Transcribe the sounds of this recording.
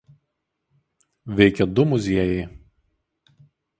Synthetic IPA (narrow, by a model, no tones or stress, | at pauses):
ʋʲɛɪkʲɛd̪ʊmʊzʲiɛjɛɪ